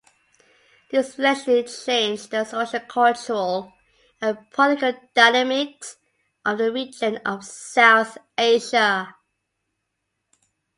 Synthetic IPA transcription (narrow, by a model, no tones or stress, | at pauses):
ðɪslɛʃlit͡ʃʰẽɪ̃nd͡ʒðəsoʊʃəlkʰɔlt͡ʃəɹəl | ə̃npʰɔtɪkəld̥aɪnəmɪks | ʔʌvðəɹid͡ʒə̃nəv̥saʊθ | eɪʒə